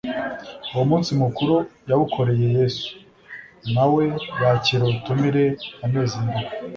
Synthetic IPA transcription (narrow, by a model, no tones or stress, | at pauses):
uwomuːnsimukuɾujaβukʰo̞ɾe̞je̞jeːsu̥ | nawe̞waciɾotumiɾeanezinbi